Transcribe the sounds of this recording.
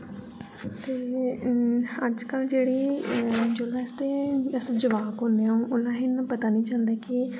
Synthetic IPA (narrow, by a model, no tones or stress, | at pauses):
t̪eː | əd͡ʒkəld͡ʒeːɽiːd͡ʒoːlãːɪst̪eːəsãːd͡ʒəʋaːkɦʊ̃nd̪eːãːũːʔʊnãːɦɪnãpət̪aːnĩːt͡ʃãːnd̪aːkɪ